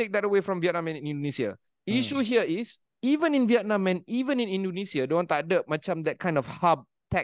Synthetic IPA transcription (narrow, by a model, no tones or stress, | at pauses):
ek̚dɛtəwefɹɔ̃mviɛt̚nãmɛ̃nĩnĩndonisia̰ | iʃuɦiəis | ivə̃nĩnviɛt̚nãmɛ̃nivə̃nĩnĩndonisiadõnwɔ̃nt̪uadəp̚mat͡ʃãmdɛt̚kʰãɪj̃nɔfhab̚ | tʰɛk